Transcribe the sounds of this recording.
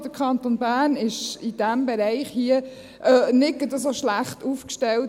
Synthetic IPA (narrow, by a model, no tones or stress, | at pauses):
d̥əkʰɑnt̪onbæːnɪʃɪd̥æmbɛɾæɪχhiə | ʔənɪɡ̥ədəsoʃlæχtufkʃtɛlt